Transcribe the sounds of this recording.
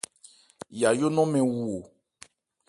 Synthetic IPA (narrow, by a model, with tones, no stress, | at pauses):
ja˨jo˦nɔ̃˦mɛ̃˨wu˦o˨